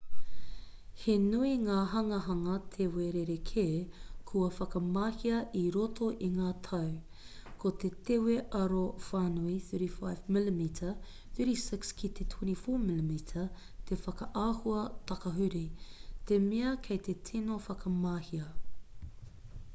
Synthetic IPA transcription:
henuiŋaːɦɐŋɐɦɐŋɐt̪ʰeweɾeɾekʰeːkʰuɐfɐkɐmaːhiɐʔiɾotʰoʔiŋaːtʰɐw | kʰot̪et̪eweʔɐɾofaːnuiθøɾifa̰jvmɪlimitʰɐ | θyɾisɪkskʰit̪ʰet̪ʰunifoːmilimitʰɐ | t̪ʰefɐkɐʔaːhuɐt̪ɐkɐɦʉɾit̪emeɐkʰejt̪etʰinofɐkɐmaːhiɐ

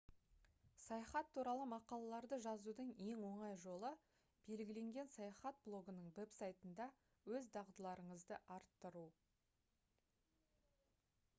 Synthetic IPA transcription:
sɑjɑχɑt̪ʰːuɾɑlˠəmɑqɑlˠɑlˠɑɾd̪əʒɑzud̪əɴje̞ŋwo̞ɴɑjʒo̞lˠə | b̥e̞lɡʲɪle̞ŋɡʲe̞nsɑjɑχɑt̪̚blˠo̞ɡənəɴve̞psajt̪ənd̪ɑ | wɵzd̪ɑʁd̪əlˠɑɾəɴəzd̪əʔɑɾt̪ːəɾu

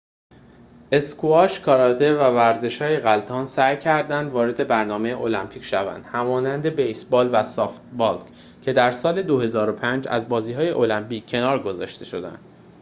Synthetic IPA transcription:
ʔe̞skʰoɒʃkʰɒɾɒd̪e̞vævæɾze̞ʃhɒːje̞ɣælt̪ʰɒːnsæjcʰæɾd̪ænd̪vɒːɾe̞d̪e̞bæɾnɒːme̞jeʔo̞læmpʰiːcʃævæ̰nd̪̥hæmɒːnænd̪e̞be̞jsbɒːlvæsɒːft̪bɒlt̪ | cʰe̞d̪æɾsɒːle̞d̪ohe̞zɒːɾo̞pʰænd͡ʒæ̰zbɒːziːɦɒːje̞ʔo̞læmpiːcʰːe̞nɒːɾɡo̞zɒːʃt̪e̞ʃo̞d̪æ̰nd̪̥

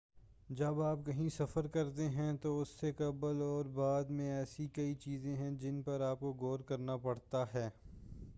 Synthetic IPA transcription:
d͡ʒɐbaːp̚kɐɦĩsɐfəɾkɐɾt̪eɦɛ̃t̪oʊsːekɐbəlɔːɾbaːd̪mẽɛːsikɐit͡ʃiːzẽɦɛ̃d͡ʒɪnpɐɾaːp̚koɡoːɾkɐɾnapɐɽt̪aɦɛː

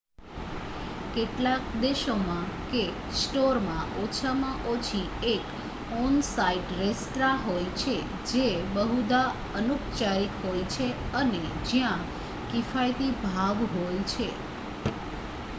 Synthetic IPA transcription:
keʈlak̚d̪eʃomãke | sʈoɾmãʔot͡ʃʰamãʔot͡ʃʰi | ek | ɔnsaiʈɾest̪ɾaɦojt͡ʃʰe | d͡ʒebəɦud̪a | ənukt͡ʃaɾikɦojt͡ʃʰeəned͡ʒjã | kifajt̪ibʱaʋɦojt͡ʃʰe

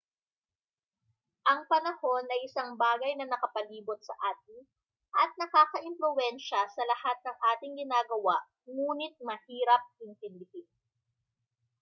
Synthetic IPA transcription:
ʔɐŋpɐnɐho̞nʔɐjʔɪsɐŋbaːɡɐjnɐnɐkɐpɐliːbot̪̚sɐʔaːt̪̚ɪ | ʔɐt̪̚nɐkaːkɐʔɪnflʊwɛnʃɐsɐlɐhat̪̚nɐŋʔaːt̪ɪŋɡɪnaːɡɐwaʔ | ŋuːnɪt̪̚mɐhiːɾɐp̚ʔɪnt̪ɪnd̪ɪhɪn

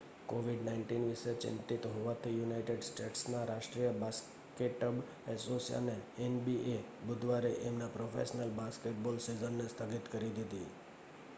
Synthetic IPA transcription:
koʋiɖnaɪɳʈinʋiʃet͡ʃɪ̰nt̪it̪ɦoʋat̪ʰijunajʈeɖsʈeʈsnaɾaʃʈɾijəbas | keʈːəb | ɛsosja̰neenbiʔe | bʊd̪ʋaɾeʔemnapɾofʰḛsnəlbaskeʈ̚bolsizənːest̪ʰəɡit̪kəɾid̪id̪i

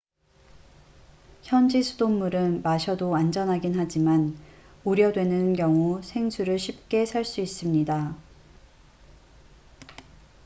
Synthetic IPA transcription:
çjʌnd͡ʑisʰudomːuɾɯnmaɕʰʌdoand͡ʑʌnɦaɡinɦad͡ʑiman | uɾjʌdwe̞nɯnkjʌŋusʰe̞ŋsʰuɾɯɭɕʰip̚k͈e̞sʰaɭs͈uis͈ɯmɲida

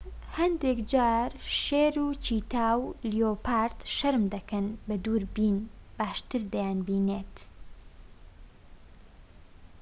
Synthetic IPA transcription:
hɐnd̪ekd͡ʒaːɾʃeːɾuːt͡ʃiːt̪aːwlioːpaːɾt̪ʃɐɾmd̪ɐkɐnbɐd̪uːɾbiːnb̥aːʃt̪ɨɾd̪ɐjaːnbiːneːt̪

